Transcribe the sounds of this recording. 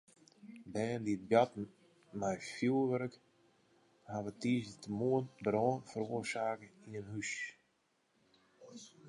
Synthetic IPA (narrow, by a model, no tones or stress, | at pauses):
bɛːndiət̚bjatn̩ | majfjulˠʋɛɾək | haʋətiːsətəmuənbɾɔːnfəɾoərsaːkəinənhys